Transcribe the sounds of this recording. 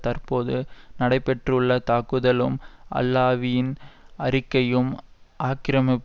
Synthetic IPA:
t̪ɐrpoːðɯnɐɽɐɪpːɛʈrʊɭːɐt̪aːkɯðɐlɯmʔɐ̰lːaːʋɪjɪnɐɾɪkːɐjɯmʔaːkɪɾɐmɪpː

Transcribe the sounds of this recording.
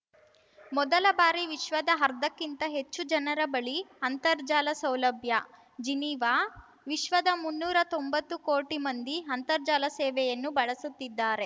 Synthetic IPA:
mɔd̪ɐlɐbaːɾiʋiʃʋɐd̪ɐɦɐɾd̪ɐkːint̪ɐɦet͡ʃːud͡ʒɐnɐɾɐbɐɭiɐnt̪ɐɾd͡ʒaːlɐsɐwlɐbʱjɐ | d͡ʒiniːʋaː | ʋiʃʋɐd̪ɐmunːuːɾɐt̪o̞mbɐt̪ːukoːʈimɐnd̪iɦɐnt̪ɐɾd͡ʒaːlɐsɛːʋɛjɐnːubɐɭɐsut̪ːid̪ːaːɾe

